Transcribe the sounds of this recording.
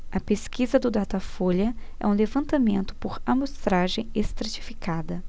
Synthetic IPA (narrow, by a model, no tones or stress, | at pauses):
ɐpeskizɐd̪ʊd̪at̪afolɐ | ɛ̰ũlevɐ̃nt̪amẽnt̪ʊ̥poɾamost̪ɾaʒẽj̃est̪ɾat͡ʃifikad̪ɐ